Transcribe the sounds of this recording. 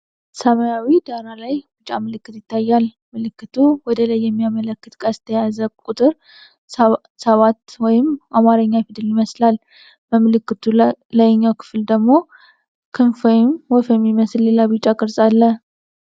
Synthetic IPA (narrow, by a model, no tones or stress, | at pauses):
səmajawid̪aɾalajbɨt͡ʃʼamɨlɨkːɨt̪jɪt̪ʰːajːal | mɨlɨkːɨt̪ʰuwɔd̪əlajːɛmːijamələkːɨt̪kʼast̪ʰəjazəkʼut̪ʼɨɾ | səβat̪ːwɔjɪmʔamaɾəɲːafid̪ɨljɪməslal | bəmɨlɨkːɨt̪ʰuləjɲːakʰɨ̥fɨld̪əɡmo̞ | kʰɨnfɔjɪmwɔfɛmːiməsɨlːe̞labɨt͡ʃʼakʼɨɾsʼalːə